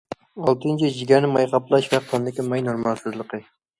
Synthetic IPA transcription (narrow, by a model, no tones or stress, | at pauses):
ɑlˠt̪ɨnt͡ʃʰiʒiɡʲɛɾnɪmɑjqʰɑplˠɑʃvɛqʰːɑnd̪ɪkʲimɑjnoɾmɑlˠsɨzlˠəqʰə